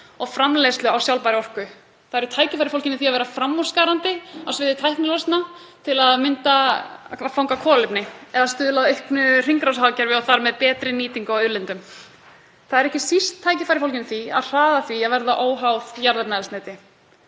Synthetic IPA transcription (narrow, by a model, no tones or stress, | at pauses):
ɔɣfɾamlejst̪lʏawsjawlpajɾɪɔr̥kʏ | θaðɛɾʏt̪ʰaːjcɪfajɾɪfowlcɪnɪθiavɛɾafɾamːɔ̥skaːɾant̪ɪawsvɪːðɪt̪ʰajhknɪlɔst̪na | t̪ʰɪlaðmɪnt̪a | fawŋkakʰɔːlɪpnɪɛðast̪ʏːðʏlaðœhknʏr̥iŋkɾawshawacɛɾvɪɔθaɾmɛðpɛːt̪ɾɪniːt̪iŋkaœlɪnt̪ʏm | θaðɛɾɛhcɪsist̪ʰːaːjcɪfajɾɪfowlcɪnɪθia̰ðr̥aːðaθviaðvɛɾðaʔoːwɦawðjaɾlɛpnaɛlsnaːjt̪ɪ